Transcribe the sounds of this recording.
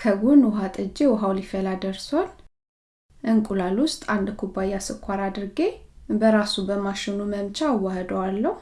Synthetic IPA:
kʰəɡunwɔɦat̪ʼɨd͡ʒːewɔɦawlifəlad̪əɾson | ʔɨŋkʼulalwʊst̪ʼand̪kʰubajasɨkʷʰːaɾad̪ɨɾɡe̞bəɾasubəmaʃɪnuməmt͡ʃʼawːahəd̪əwalːəhu

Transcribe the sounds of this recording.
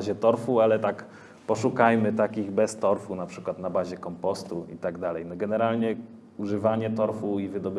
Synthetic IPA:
ʑɛt̪ɔɾfualɛt̪ak | pɔʂukajmɘt̪akʲiɣbɛst̪ɔɾfunapʂɘkwat̪nabaʑɛkɔmpɔst̪uḭt̪aɡd̪alɛjnɔɡɛnɛɾalɲɛ | uʐɘvaɲɛt̪ɔɾfuivɘd̪ɔb

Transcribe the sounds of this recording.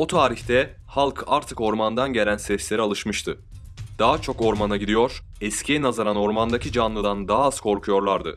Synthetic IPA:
ot̪ʰaːɾiçt̪ʰɛ | halˠkʰaɾt̪ʰɯko̞ɾmand̪anɟe̞lʲænsɛslʲe̞ɾialˠɯʃmɯʃt̪ʰɯ | d̪̥aɦat͡ʃʰo̞ko̞ɾmanaɟid̪ijo̞ɾ̥ | ɛscʰinazaɾano̞ɾmand̪acʰid͡ʒanlˠɯd̪and̪aɦːz̥kʰo̞ɾkʰujo̞ɾlˠaɾd̪ɯ̰

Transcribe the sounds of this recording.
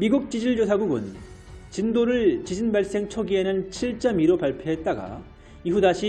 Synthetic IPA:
miɡuk̚t͡ɕ͈id͡ʑiɭd͡ʑos̬ʰaɡuɡɯ̰n | t͡ɕindoɾɯɭt͡ɕid͡ʑinbaɭs͈e̞ŋt͡ɕʰoɡie̞nɯnt͡ɕʰiɭt͡ɕ͈ʌmiɾopaɭpʰjoɦe̞t̚t͈aɡa̰ | iɦudaɕʰi

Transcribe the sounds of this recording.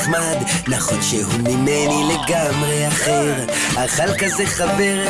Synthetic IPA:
χmad̪naχonʃeɦumimenile̞ɡamʁeaχeʁ | aχalkazeχaveʁ

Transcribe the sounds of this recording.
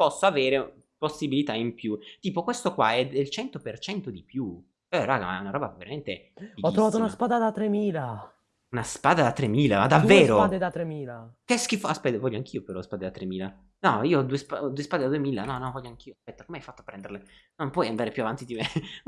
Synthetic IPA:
pɔsːoaveːɾe | posːibilit̪aimpjut̪iːpokwest̪okwaɛd̪elt͡ʃɛnt̪opert͡ʃɛnt̪od̪ipju | ɛɾaːɡa̰ma̰ɛ̰unaɾɔːbaveɾament̪e | iɔt̪ːɾovaːt̪ounaspaːd̪ad̪at̪ːɾemiːla | unaspaːd̪ad̪at̪ːɾemiːlamad̪avːeːɾoad̪ed̪at̪ɾemiːlakeskifaspɛt̪ːvɔʎːoaŋk̟iːopeɾɔspaːd̪ed̪at̪ɾemiːla | nɔ̰iːoɔd̪uːespaɔd̪uːespad̪ed̪ad̪uemiːlanɔnɔvɔʎːoaŋk̟ʰiːoaspɛt̪ːakomeajfat̪ːopɾɛnd̪erle | nompwɔjand̪aːɾepjuavant̪id̪ime

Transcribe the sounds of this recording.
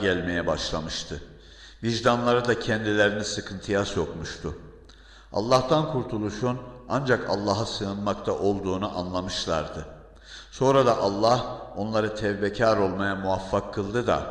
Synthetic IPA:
ælʲme̞jɛbaʃlˠamɯʃt̪ʰɯ | viʒd̪anlˠaɾad̪acʰɛnd̪ilʲeɾinisɯkʰɯnt̪ʰɯjasjo̞kmuʃt̪ʰʊ | a̰lˠːaht̪ankʰuɾt̪ʰulˠuʃuna̰nd͡ʒakʰa̰lˠːaɦasɯɯnmakt̪ʰaʔo̞lˠd̪uːnuʔanlˠamɯʃlˠaɾd̪ɯ | so̞nɾad̪aʔalˠːaho̞nlˠaɾɯt̪ʰɛvbecʰaːɾo̞lˠmajamuafːakʰːɯlˠd̪ɯd̪a̰

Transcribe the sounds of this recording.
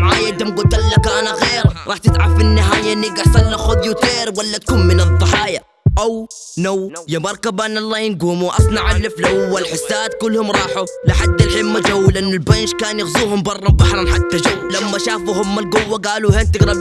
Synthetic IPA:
ʕaːjad̪amɡʊt̪alːakaːnaɣeːɾɾˤɑːħt̪ɪt̪ʕafinːɪɦaːjaʔɪnːiɡaħsˤɑlːaxʊðjut̪eːɾwalːat̪kuːnmɪnɨd̪ˤːɑħɑːja | ʔaw | nawjamɑɾˤkabanːɑlˤːɑːjɪnɡuːmuʔɑsˤnɑʕalːɪflawːalħɪsːaːd̪̚kʊlːhʊmɾˤɑːħulɪħad̪ːɪlħɪmːad͡ʒawːlʔɪnːʊlbanʃkaːnjɪɣzuːhʊmbɑrˤːɑmbɑħɾˤɑnħat̪ːad͡ʒawːlamːaʃaːfuhʊmːalɡʊwːaɡaːluheːnt̪ɪɡɾɑb

